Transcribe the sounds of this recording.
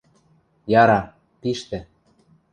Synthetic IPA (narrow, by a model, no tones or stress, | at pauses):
jɑɾɑ | piʃt̪ɘ̆